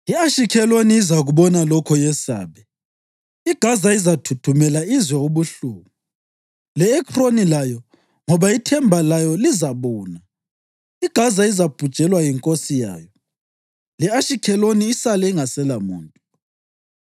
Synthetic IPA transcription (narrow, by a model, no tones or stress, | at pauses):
iaʃikʰɛlwoniːzaɣuβɔnalɔkʰɔjɛsa̰ːβɛ | iɡ̥ʱazaizatʰutʰumɛlaizwɛuβuɬuːmu | lɛːkʰronilajɔ | ŋɔβaitʰɛmbʱalajɔlizaβɔːna | iɡ̥ʱazaizab̥ʱu̥t͡ʃʼɛlwajiŋkʼosija̰ːjɔ | lɛaʃikʰɛloniːsalɛiŋasɛlamṵːntʼɔ